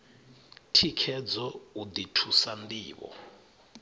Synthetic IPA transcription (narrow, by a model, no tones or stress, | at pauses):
tʰikʰɛd͡zɔud̪itʰusand̪iːβɔ̰